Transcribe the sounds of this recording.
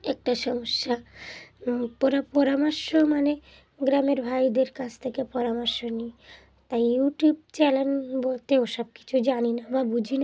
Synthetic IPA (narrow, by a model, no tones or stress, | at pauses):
ɛk̚ʈaʃɔmoʃːa | pɔɾapɔɾamaɾʃomane | ɡɾameɾbʱajd̪eɾkat͡ɕʰt̪ʰekepɔɾamaɾʃoni | t̪ajjuʈub̚t͡ɕɛlenbolt̪eoʃɔb̚ki̥t͡ɕʰud͡ʑaninababud͡ʑʱina